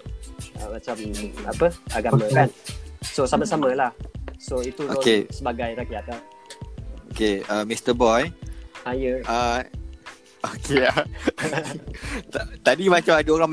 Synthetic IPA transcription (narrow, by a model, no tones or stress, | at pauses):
ə̰mat͡ʃama̰pəaɡamãkansosamasaməlahsoit̪uo̰kesəbaɡajɾakiat̪a | okeəmist̪əbɔjajəa | okea | t̪adimat͡ʃamadaoɾam